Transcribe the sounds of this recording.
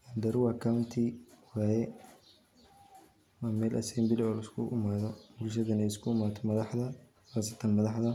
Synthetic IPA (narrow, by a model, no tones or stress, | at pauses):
ʔɐnd̪ɐɾwɐkʰaʊnt̪ʰiwaːjɛ | mamɛːlʔɐ̰sɛːmbɪlɪɔːlɪskʰʊʔɪmaːðɔbulʃ̬ɐðɐnɛɪskʰʊɪmaːt̪ʰɔmɐðɑħdɐ | waːsɐt̪ʰɐnmɐðɑħðɐ